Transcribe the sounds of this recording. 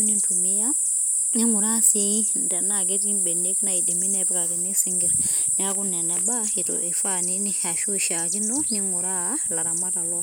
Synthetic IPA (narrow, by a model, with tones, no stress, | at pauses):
u˦ni˦ntu˨mi˦ja˦ | ɲi˦ŋu˨ɾa˦si˦nda˨naɡ̬e˦ti˦mbe˨ne˦kna˨i˨di˨mi˦nɛ˦pka˨ke˨ni˦si˦ŋɡi˨ɾ | na˦ku˦nɛ˨nɛ˨ba˦hi˨to̰ʔi˨fa˦ne˦ni˦ha˨ʃu˦˨ʃa˨ki˦no˦ɲi˦ŋu˨ɾa˦la˨ɾa˨ma˦ta˨lɔ